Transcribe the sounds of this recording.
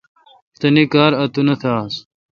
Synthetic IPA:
t̪ɐnikaːɾɐt̪unɐt̪ʰaːs

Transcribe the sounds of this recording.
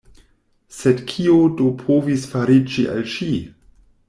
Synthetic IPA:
sedkʰiodopʰovisfaɾid͡ʒiʔa̰lʃi

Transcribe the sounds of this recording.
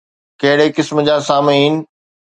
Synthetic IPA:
kɐɦɪɽekɪsməd͡ʑaːsaːmeɦiːnɪ̆

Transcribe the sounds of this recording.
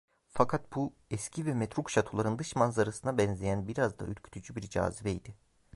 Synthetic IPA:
fakʰat̪̚bu | ɛscʰivɛmɛt̪ɾukʃat̪ʰolˠaɾɯnd̪ɯʃmanzaɾasɯnabɛnzʲejænbiɾazd̪a̰yɾcʰy̥t̪ʰyd͡ʒybiɾd͡ʒa̰ːzivɛjd̪ɪ

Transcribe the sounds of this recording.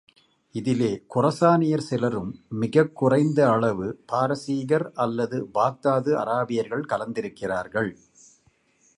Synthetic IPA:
ɪðɪleːkʊrɐsaːnɪjɐɾsɪlɐɾɯmːɪɣɐkːʊrɐɪnd̪ɐːɭɐʋɯpaːɾɐsiːɣɐɾɐlːɐðɯbaːk̚t̪aːðɯʔɐ̰ɾaːbɪjɐɾɣɐɭkɐlɐnd̪ɪɾɯkːɪraːɾɣɐɭ

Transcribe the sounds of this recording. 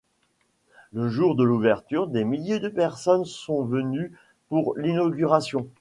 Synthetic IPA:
ləʒuʁd̪əluvɛʁt̪yʁd̪emiljed̪əpɛʁsɔnsɔ̃vəny | puʁlinɔɡʲyʁasjɔ̃

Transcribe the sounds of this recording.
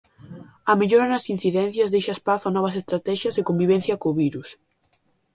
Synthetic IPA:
ɐmeʎoɾɐnɐsin̟θiðɛn̟θjɐzðejʃɐespaθʊɐanɔβ̞ɐs̬est̪ɾat̪ɛʃjɐsɪkombiβ̞ɛ̃n̟θjɐkoːβiɾus

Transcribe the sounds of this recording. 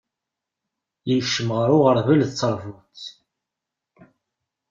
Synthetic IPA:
jəʃːəmʁəɾʊʁəɾˤvəlðt͡sːəɾˤvut͡s

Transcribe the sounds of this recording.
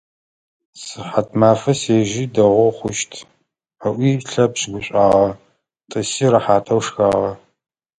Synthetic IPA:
sɨħatʰmaːfɐseːʒiːdɐʁʷɔχʷʊʃtʰ | ɐʔʷiːɬɐpɕɡʷʊɕʷʼaːʁɐ | tʼɨsiːrɐħaːtʼɐwʂxaːʁɐ

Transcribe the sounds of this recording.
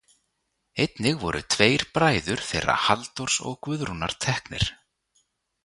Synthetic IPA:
ejt̪nɪɣvɔɾʔʏt̪ʰveːjɾ̥pɾaːjðʏɾ̥θejɾa̰halt̪ɔɾ̥sɔ̰ɣkvʏðɾuna̰ɾ̥t̪ʰɛhknɪ̰ɾ̥

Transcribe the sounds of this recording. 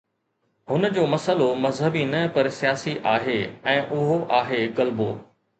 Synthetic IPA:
ɦʊnəd͡ʑoːmɐsəlomɐzɦəbinɐpɐɾsijaːsiʔaːɦeːɛ̃ːʔʊɦoʔaːɦeɣɐlboː

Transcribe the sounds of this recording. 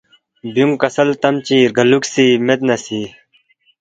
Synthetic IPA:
bjuŋkɐsɐlt̪ɐmt͡ɕiːɾɡɐluksiːmet̪̚nɐsiː

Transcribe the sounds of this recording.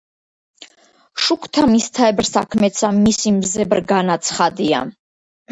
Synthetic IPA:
ʃukʰt̪ʰamist̪ʰaɛbɾsakʰmɛt̪sʰamisimzɛbɾɡanat̪sʰχad̪ia̰

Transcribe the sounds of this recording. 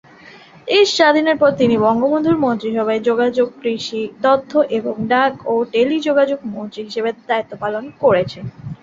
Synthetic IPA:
eʃʃad̪ʱineɾpɔɾt̪inibɔŋɡobond̪ʱuɾmont̪ɾiʃ̬ɔbʱaed͡ʑoɡad͡ʑoɡ̚pɾiʃid̪ɔt̪ʰːoʔeboŋɖakoʈelid͡ʑoɡad͡ʑoɡ̚mont̪ɾiɦiʃebed̪ait̪ːopalonkoɾet͡ɕʰen

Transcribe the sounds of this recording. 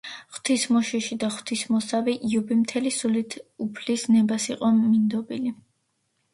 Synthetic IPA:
χw̥t̪ʰismɔʃiʃid̪aχwt̪ʰismɔsaviʔiubimt̪ʰɛlisulit̪ʰupʰlisnɛbasiqʼɔmind̪ɔbili

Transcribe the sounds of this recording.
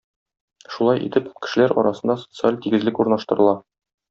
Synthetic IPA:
ʃulˠɑjʔḭt̪ɘpkɘ̥̆ʃɘ̆læɾɒ̰ɾɑsɤ̆nd̪ɑso̥t̪sɨalʲt̪iɡɘ̆zlɘkuɾnɑʃt̪ɤ̆ɾɤ̆lˠɑ

